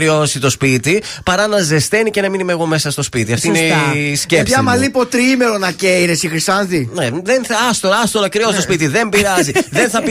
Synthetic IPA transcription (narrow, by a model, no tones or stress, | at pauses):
ɾionsit̪o̞spit̪ipɐɾɐnɐze̞st̪e̞nicenɐminimeɣo̞mesɐst̪o̞spit̪iɐft̪inescepsɐmɐlipo̞t̪ɾiime̞ɾonɐceiɾesixɾisɐnðineðenθɐɐst̪oɾɐst̪olɐkɾiosit̪ospit̪iðe̞mbiɾɐziðe̞nθɐp